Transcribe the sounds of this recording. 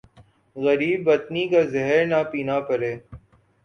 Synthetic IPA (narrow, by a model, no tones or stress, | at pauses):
ɣɐɾiːbːɐt̪nikaːzɛɦəɾnapiːnaːpəɾeː